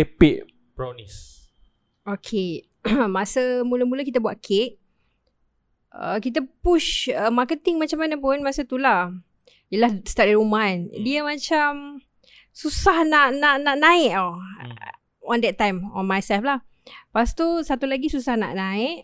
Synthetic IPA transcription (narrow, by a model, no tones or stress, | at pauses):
epɪʔ | bɹanis | okʰe | masəmuləmuləkit̪abuaʔ̚kʰeʔ | ə̰kit̪̬apuʃəmakət̪ɪŋmat͡ʃamːanapʊnmasət̪ulah | ijəlahst̪atiumandiəmãt͡ʃam | susahnaʔnaʔnaʔnãɪʔo | ɔndɛt̪̚ːajmɔ̰nmajsɛlflah | past̪osat̪ulaɡisusahna̰ʔnãɪʔ